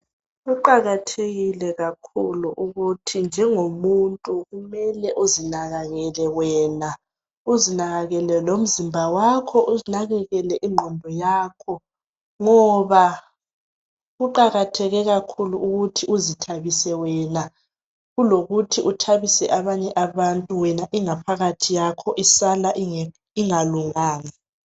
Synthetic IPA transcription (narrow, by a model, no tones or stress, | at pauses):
ɣuǃaɣatʰeɣilɛɣakʰuluʔuɣutʰind͡ʒʱɛŋomuntʼuɣumɛlɛʔozinaɣaɣɛlɛwɛːna | uzinaɣaɣɛlɛlom̩zimbʱawakʰɔʔunaɣɛɣɛlɛʔiŋ͡ǃʱɔmbʱɔjaːkʰɔ | ŋɔβa | ɣuǃaɣatʰɛɣɛɣakʰuluʔuɣutʰiuzitʰaβisɛwɛna | ɣuloɣutʰiʔutʰaβisɛʔaβaɲɛʔaβantʼuwɛnaʔiŋapʰaɣatʰijakʰɔʔisalaʔ | iŋaluŋaːna